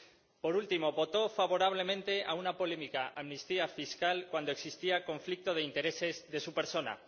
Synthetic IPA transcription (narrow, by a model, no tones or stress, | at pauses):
po̞ɾult̪imo̞βo̞t̪o̞faβo̞ɾaβ̞le̞mẽ̞nt̪e̞ʔaunapo̞lemikaʔamnist̪iafiskalkwand̪oe̞ksist̪iako̞ɱflik̚t̪oð̞eint̪e̞ɾe̞se̞zðe̞supe̞ɾso̞na̰